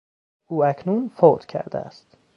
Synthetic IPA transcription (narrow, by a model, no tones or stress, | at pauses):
ʔuːækʰnunfod̪̥cʰæ̰ɾd̪æ̰æ̰st̪